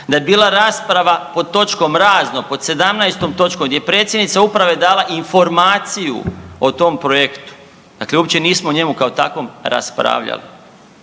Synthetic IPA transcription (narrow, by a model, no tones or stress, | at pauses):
d̪ajebiːlˠaɾaːspɾaʋapo̞d̪̚t̪o̞t͡ʃko̞mɾaːznopo̞d̪se̞d̪amnajst̪o̞mt̪o̞t͡ʃkomɡd̪jepɾe̞ːt̪sjed̪nit̪saupɾaʋed̪aːlˠaʔiɱfo̞ɾmaːt̪sijṵo̞t̪o̞mpɾojekt̪u̥ | d̪̥akleupt͡ɕe̞niːsmouɲe̞mukaot̪a̰kʋo̞mɾa̰spɾa̰ːʋʎa̰lḭ